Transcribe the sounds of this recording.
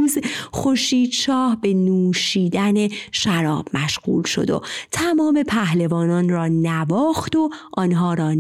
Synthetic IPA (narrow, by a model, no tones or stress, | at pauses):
zxoɾʃiːd̪ʃɒːhbe̞nuːʃiːd̪æne̞ʃæɾɒːb̥mæʃɢ̥ṵːlʃo̞̰d̪o̰t̪ʰæmɒːme̞pʰæhle̞vɒːnɒːnrɒːnævɒːxt̪o̞ʔɒːnɦɒːɾɒː